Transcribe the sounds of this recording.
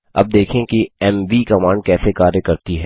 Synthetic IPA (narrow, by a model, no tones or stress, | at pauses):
ɐ̰b̚d̪eːkʰẽkiɛmʋikɐmãːɳɖ̚kɛːsekaːɾjəkɐɾt̪iɦɛː